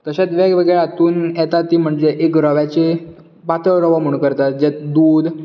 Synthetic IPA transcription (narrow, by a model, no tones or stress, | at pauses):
t̪əɕat̪ʋaɡʋəɡɭeat̪uːnjɛt̪at̪ːiːm̤əɳd͡zeʔekɾəʋjat͡ɕe | pat̪əɭɾəʋamuɳkəɾt̪at̪̚d͡ʑat̪d̪uːd̪